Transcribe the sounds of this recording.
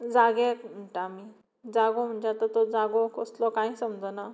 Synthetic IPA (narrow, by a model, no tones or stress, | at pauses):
d͡zaɡekm̤əʈami | d͡zaɡom̤əɳd͡ʑeat̪ət̪ɔd͡zaɡokɔslɔkãĩsəmd͡zɔna